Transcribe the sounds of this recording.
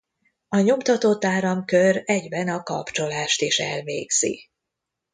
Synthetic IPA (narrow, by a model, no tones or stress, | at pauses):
ɒɲo̞mt̪ɒt̪oːt̪aːɾɒmkørɛɟbɛnɒkɒ̰pt͡ʃo̞laːʃt̪iʃɛ̰lvḛːɡz̥ḭ